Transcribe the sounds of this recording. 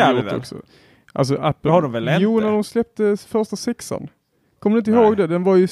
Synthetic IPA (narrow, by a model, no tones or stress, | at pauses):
ɔ̰ksɔ̰ | ʔa̰ls̬ɔʔapːəhaɖɔmvɛlɛjuːnædɔmslɛp̚t̪əfœɾʂʈasɛksa̰n | kʰɔmːd̪ɪnt̪əɪhɦoːɡd̪ɛd̪ɛnvaɾjɵ